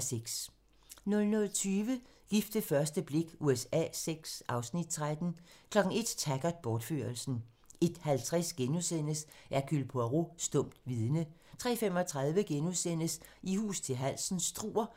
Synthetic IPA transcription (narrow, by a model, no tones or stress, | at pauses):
seɡ̥s | nɔ̽lnɔ̽lt͡sʰyːʋə | ɡ̥ifd̥əfɶɐsd̥əb̥le̝ɡ̥uesɛ̰ːseɡ̥sʔɑ̈ʊsnid̥t͡sʰʁad̥n̩kʰlɒ̽ɡ̥n̩e̝d̥t͡sʰæɡ̥ɐðˠb̥ɒːd̥fø̰ɐlsn̩ | ʔe̝d̥hælt͡sʰʁɛsɡ̥enusen̰əsʔæɐkʰylpʰoʁosd̥ɔ̽m̰d̥ʋiðˠnə | t͡sʰʁɛ̰ːfemɒ̽t͡sʰʁɑ̈ð̞ˠʋəɡ̥enusen̰əsihṵːst͡sʰe̝lɦæl̰sn̩sd̥ʁṵːɐ